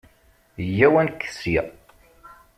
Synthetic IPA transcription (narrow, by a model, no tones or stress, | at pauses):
jːæwænkːə̥si